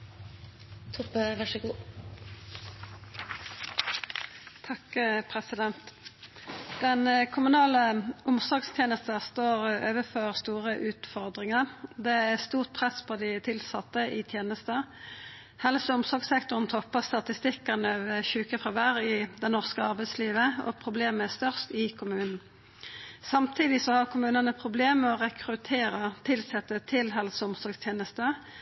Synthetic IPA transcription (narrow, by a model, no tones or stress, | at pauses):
t̪ʰʊpəʋæʂəɡuː | t̪ʰɑkpʰʁɛsɪd̪ɛnt̪ | d̪̥ɛnkʰʊmʉnɑːləʔʊmsɔɡst̪ʰjeːnəst̪əʁst̪oːʁøːʋəfɔʁst̪uːʁəʔʉːt̪fɔʁd̪ʁɪŋəʁd̪ɛæst̪uːʁt̪̚pʰʁɛspʰɔd̪ɪt̪ʰɪlsɑt̪ːəʔɪt̪ʰjeːnəst̪ə | hɛlsəʊmsɔɡsɛkt̪ʊʁən̩t̪ʰɔpːəst̪ɑt̪ɪst̪ɪkɑnəʋɛçʉːkəfʁɑʋæʁɪd̪ɛnɔʁskəɑʁbɛɪsliːʋəɔ̰pʰʁʊbleːməæʁst̪œʁst̪ɪkʰʊmʉːnn̩ | sɑmt̪ʰiːd̪ɪsɔhɑʁkʰʊmʉːnənəpʰʁʊbleːmmɛɔʁɛkʰʁʉt̪ʰeːɾət̪ʰɪlsɛt̪ːət̪ʰɪlɦɛlsəʊmsɔɡst̪ʰjeːnəst̪ə